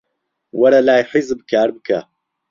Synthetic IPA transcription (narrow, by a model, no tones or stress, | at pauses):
wɐɾɐlaːjħizɨbkʰaːɾbɨka